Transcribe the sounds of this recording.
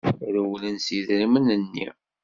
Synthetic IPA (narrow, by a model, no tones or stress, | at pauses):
ɾəwlənsiðɾimənənːḭ